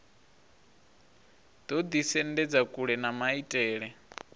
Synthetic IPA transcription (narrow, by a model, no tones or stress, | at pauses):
d̪̥ɔd̪isɛndɛd͡zakʼuɺɛnamaitʼɛːɺɛ